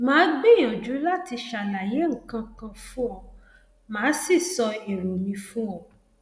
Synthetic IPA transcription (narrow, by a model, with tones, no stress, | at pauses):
mãː˨˦ɡ͡be˦˨j̃ã˨d͡ʒu˨˦la˦ti˧ʃa˨la˨je˨˦ŋ̩˨kã˧kã˧fũ˦ɔ̃˨ | mãː˨˦si˦˨sɔ˧i˨ɾo˨mĩ˧fũ˦ɔ̃˨